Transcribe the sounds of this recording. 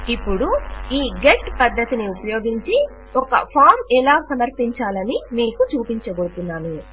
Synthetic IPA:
ipːuɽuiːɡeʈpɐd̪ːɐt̪iniupɐjo̞ːɡiɲt͡ʃi | ɔkɐ̰pʰaːɾmɛlaːsɐmɐɾpiɲt͡ʃaːlɐnimiːkut͡ʃuːpiɲt͡ʃɐboɾt̪unːaːnu

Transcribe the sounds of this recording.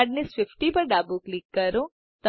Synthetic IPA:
ɖnisʋɪfʈipəɾɖabuklikːəɾõ | t̪ə

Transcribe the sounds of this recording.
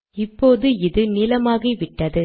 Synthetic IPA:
ɪpːoːðɯɪðɯnɪlɐmaːɣɐʋɪʈːɐðɯ

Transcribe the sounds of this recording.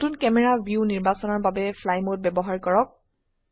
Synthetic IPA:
tunkɛmɛɹabiuniɹbasɔnɔɹbabɛpʰlajmot̚bɛbɔɦaɹkɔɹɔk̚

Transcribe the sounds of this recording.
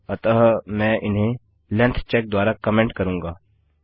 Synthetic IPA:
ɐt̪əɦmɛ̃ːʔɪnɦẽ | lɛ̃nt̪ʰt͡ʃɛːk̚d̪waːɾakɐmɛ̃ːɳʈkɐɾũːŋɡaː

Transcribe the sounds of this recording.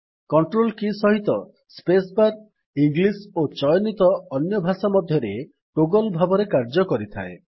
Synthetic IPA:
kɔɳʈɾolkisɔɦit̪ɔ | spesbaɾ | iŋɡlisot͡ʃɔjɔnit̪ɔːnjɔbʱasamɔd̪ʱjɔɾe | ʈoɡɔlbʱabɔɾekaɾd͡ʒɔkɔɾit̪ʰa̰e

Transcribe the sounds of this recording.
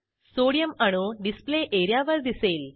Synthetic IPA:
soɽijəməɽ̃oɖispleʔeɾjaʋəɾd̪iseːl

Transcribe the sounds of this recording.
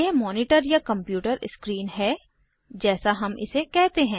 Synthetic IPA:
emɔːnɪʈəɾjakɐ̃mpjuːʈəɾɪskɾiːnɦɛː | d͡ʒɛːsaɦɐmʔɪ̰sekɛɦt̪eɦɛ̃ː

